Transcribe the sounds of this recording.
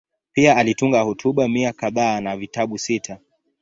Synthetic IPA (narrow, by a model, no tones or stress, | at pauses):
piaːlituŋɡahutʰuɓamiakaðaːnavitaɓusitʰa